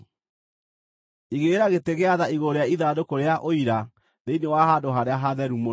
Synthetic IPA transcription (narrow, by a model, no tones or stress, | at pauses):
iɣeɾaɣeteɣeaðaiɣoɾeaiðadokoɾeaʔoiɾa | ðeinewaɦaːdoɦaɾeaɦaðɛɾumo